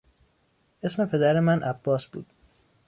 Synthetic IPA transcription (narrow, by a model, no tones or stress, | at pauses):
ʔe̞sme̞pʰe̞d̪æɾemænʔæb̥ːɒːsb̥ṵːd̪̥